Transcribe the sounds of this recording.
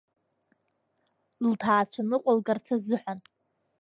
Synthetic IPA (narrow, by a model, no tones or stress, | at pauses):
ltʰaːt͡ʃʷʰanɨqʷʼalɡart͡sʰazɨħʷan